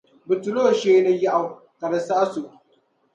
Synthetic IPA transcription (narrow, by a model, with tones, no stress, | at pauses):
bɨ˨tʊ˨loː˦˨ʃeː˦nɐ˦ji˦ʔa˨w | kɐ˨ɾɐ˦saː˦su˨ʔ